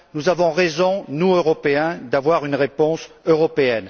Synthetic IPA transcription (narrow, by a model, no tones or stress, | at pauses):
nuzavɔ̃ʁezɔ̃nuøʁɔpeɛ̃d̪avwaʁynʁepɔ̃søʁɔpeɛn